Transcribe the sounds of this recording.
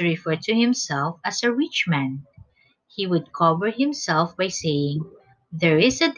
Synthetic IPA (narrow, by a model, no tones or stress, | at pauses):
ɹɪfɛɹt̪ʰɨhɪ̃msɛlˠfasəɹɪt͡ʃmæ̃n | hiwʊd̪̚kʰɔvəɹhɪ̃msɛlfbajsejɪ̃ŋ | ðɛɹɪsɨd